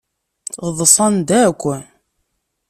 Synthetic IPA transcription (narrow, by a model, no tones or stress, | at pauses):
ʁðˤsˤɑnd̪ækʷːən